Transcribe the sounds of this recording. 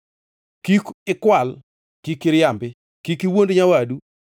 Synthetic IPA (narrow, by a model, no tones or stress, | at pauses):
kikɪkwal | kikɪɾjambɪ | kikɪwondɲawadu